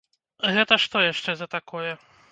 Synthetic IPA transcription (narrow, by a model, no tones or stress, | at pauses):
ɣɛt̪ɐʂt̪ɔjaʂt͡ʂɛzɐt̪akɔjɛ